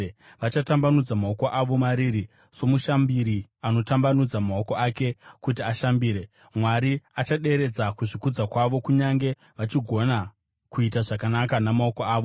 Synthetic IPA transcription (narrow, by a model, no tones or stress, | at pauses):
ʋat͡ʃatambanud͡zamao̞ko̞ʔaʋo̞maɾiɾi | so̞muʃambiɾiano̞tambanud͡zamao̞ko̞ake̞kut̬iaʃambiːɾe̞ | mwaɾiat͡ʃaɗe̞ɾe̞d͡zakuʐikud͡zakwaʋo̞kuɲaŋɡe̞ | ʋat͡ʃiɡʱo̞na | kuit̬aʐakanakanamao̞koaːʋo̞